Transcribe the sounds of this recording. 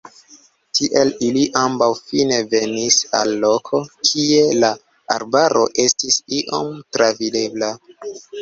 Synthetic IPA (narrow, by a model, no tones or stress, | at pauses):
tʰiʔe̞liliʔambawfine̞ve̞nisa̰lːo̞kʰo̞kʰie̞la | a̰ɾbaɾo̞̰ʔe̞stisiʔo̞̰mtɾavide̞bla